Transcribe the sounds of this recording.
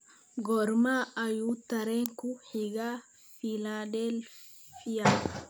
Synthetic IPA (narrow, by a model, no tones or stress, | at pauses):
ɡɔɾmaːʔɐjuːt̪ːɐɾeŋkuħiɡaː | filaːdeːl | fija